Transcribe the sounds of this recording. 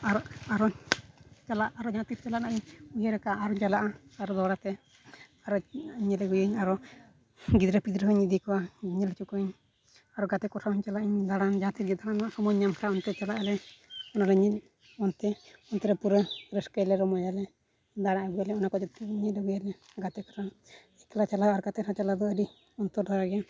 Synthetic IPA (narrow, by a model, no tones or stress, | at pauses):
aɾɔaɾɔ | t͡ʃalaʔːɾɔɲat̪itt͡ʃalaʔnaʔiɲujəɾɛkaʔːɾɔd͡ʒalaʔaaɾɔd̪ɔɽat̪ɛ | aɾɔɲɛlɛɡujəɲaɾɔ | ɡid̪ɾəpid̪ɾəɦɔɲid̪ikɔwaiɲɛlt͡ʃukɔɲ | aɾɔɡat̪ɛkɔsʰahuɲt͡ʃalaʔiɲd̪aɽand͡ʒat̪iɾɡɛd̪aɽanwaʔsɔmɔjɲamkʰɾaɔnt̪ɛt͡ʃalaʔalɛɔnalɛɲit̪̚ | ɔnt̪ɛɔnt̪ɛɾɛpuɾəɾəskəjlɛɾɔmɔjalɛ | d̪aɽaʔaɡujalɛɔnakɔd͡ʒɔt̪ːɛɲit̪̚əɡujalɛ | ɡat̪ɛkɔ̥ɾʰa | ɛkɛlat͡ʃalaaɾkat̪ɛɾat͡ʃalad̪ɔəɾi | ɔnt̪ɔɾd̪ʱɔɾaɡɛ